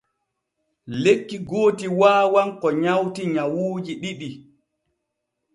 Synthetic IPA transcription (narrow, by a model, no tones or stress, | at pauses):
lekːiɡoːtiwaːwankɔɲawtiɲawuːd͡ʒiɗiɗi